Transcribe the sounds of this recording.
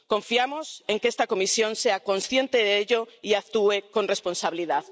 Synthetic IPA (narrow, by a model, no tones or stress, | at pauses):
koɱfiamoseŋkest̪akomisjõnseakõnsθjent̪eðeʎoiak̚t̪uekonresponsaβiliðað